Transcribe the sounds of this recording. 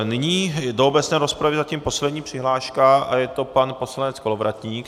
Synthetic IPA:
nɪɲiːdoobɛt͡snɛːɾospɾavɪzaciːmpo̞slɛd̪ɲiːpr̝̥ɪɦlaːʃkaajɛt̪o̞panpo̞slanɛt͡skolovɾat̪ɲiːk

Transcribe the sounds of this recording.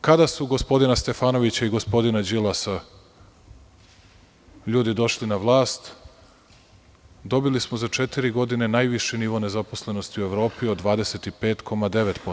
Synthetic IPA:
kad̪asuɡo̞spo̞d̪inast̪e̞faːno̞ʋit͡ɕaiɡo̞spo̞d̪inad͡ʑilˠasa | ʎuːd̪id̪o̞ʃlinaʋlˠaːst̪ | d̪o̞bilismo̞zat͡ʃe̞t̪iɾiɡo̞d̪ine̞naːjʋiʃiniːʋone̞zapo̞sle̞no̞st̪iue̞ʋɾo̞ːpiod̪ʋaːd̪ese̞t̪ipe̞ːt̪kʰo̞mad̪e̞ʋet̪po

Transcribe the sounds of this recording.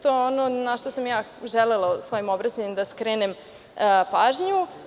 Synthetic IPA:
t̪oeononaʃt̪osamjaː | ʒɛlelˠausʋo̞jimo̞bɾat͡ɕaɲimd̪askɾeːnem | paːʒɲu

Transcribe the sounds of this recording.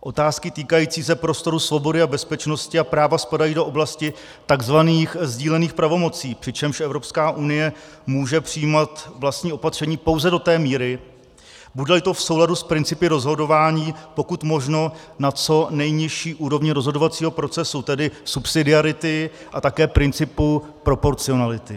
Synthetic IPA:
ʔo̞t̪aːskɪt̪iːkajiːt͡siːs̬ɛpɾo̞st̪o̞ɾusvo̞bo̞dɪabɛspɛt͡ʃno̞scɪapɾaːvaspadajiːdo̞ʔo̞blascɪ | t̪aɡzvaniːxzɟiːlɛniːxpɾavo̞mo̞t͡siːpr̥ɪt͡ʃɛmʃʔɛvɾopskaːʔunɪjɛ | muːʒɛpr̥ɪjiːmat̪vlast̪ɲiːʔo̞pat̪r̥ɛɲiːpo̞wzɛdo̞t̪ɛːmiːɾɪ | budɛlɪt̪o̞fso̞wladuspɾɪnt͡sɪpɪɾo̞zɦo̞do̞vaːɲiːpo̞kut̪mo̞ʒno̞ | nat͡so̞nɛjɲɪʃiːʔuːɾo̞vɲɪɾo̞zɦodo̞vat͡siːɦo̞pɾo̞t͡sɛsut̪ɛdɪsupsɪdɪaɾɪt̪ɪ | ʔat̪akɛːpɾɪnt͡sɪpu | pɾo̞po̞ɾt͡sɪo̞nalɪt̪ɪ

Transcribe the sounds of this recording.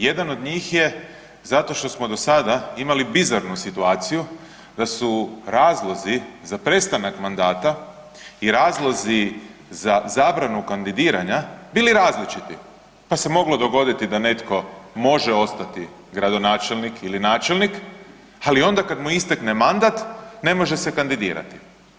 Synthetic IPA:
je̞d̪ano̞d̪ɲiːxje̞ | zat̪o̞ʃt̪o̞smo̞d̪o̞sad̪aimalibizaɾnusit̪uaːt̪siju | d̪asuɾaːzlˠo̞zizapɾe̞st̪anakmand̪aːt̪a | iɾaːzlˠozizazaːbɾanukand̪id̪iːɾaɲabiːliɾaːzlit͡ʃit̪ḭ | pase̞mo̞ɡlo̞d̪o̞ɡo̞d̪it̪id̪ane̞t̪ko̞mo̞ʒeo̞st̪at̪i | ɡɾad̪o̞naːt͡ʃelnikʰilinaːt͡ʃelˠnik | alio̞nd̪akad̪muist̪akne̞mand̪at̪ne̞mo̞ʒe̞se̞kand̪id̪ḭːɾa̰t̪i̥

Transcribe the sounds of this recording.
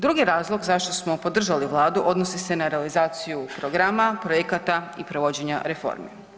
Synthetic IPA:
d̪ɾuɡijeɾaːzlˠo̞ɡzaʃt̪o̞smo̞po̞d̪r̩ʒaliʋlˠaːd̪uʔo̞d̪nosise̞naɾe̞alizaːt̪sijupɾoɡɾamapɾojekat̪aipɾo̞ʋo̞d͡ʑe̞ɲa̰ɾe̞fo̰ɾme

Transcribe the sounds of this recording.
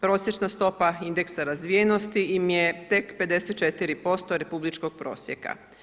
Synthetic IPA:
pɾo̞sje̞t͡ʃnast̪o̞paind̪e̞ksaɾazʋijeno̞st̪iimjet̪e̞kpe̞d̪e̞set̪t͡ʃe̞t̪iɾipo̞st̪oɾe̞publit͡ʃko̞ɡ̥̚pɾo̞̰ːsjḛka̰

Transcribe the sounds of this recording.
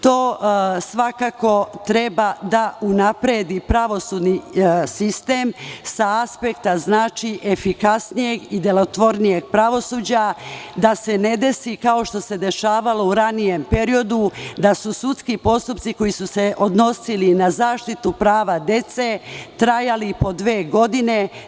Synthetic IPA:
t̪o̞ːsʋakako̞t̪ɾe̞bad̪aʔunapɾed̪ipɾaʋo̞suːd̪nisist̪emsaaspe̞kt̪aznaːt͡ʃiʔefikasnije̞ɡid̪elo̞t̪ʋo̞ɾnije̞ɡpɾaʋo̞suːd͡ʑad̪ase̞ne̞d̪e̞sikao̞ʃt̪o̞se̞d̪e̞ʃaːʋalo̞uɾanije̞mpe̞ɾio̞d̪ud̪asusut̪skipo̞st̪upt̪siko̞jisuse̞ʔo̞d̪no̞silinazaːʃt̪it̪upɾaːʋad̪e̞t̪se̞t̪ɾajalipo̞d̪ʋe̞ːɡo̞d̪ine̞

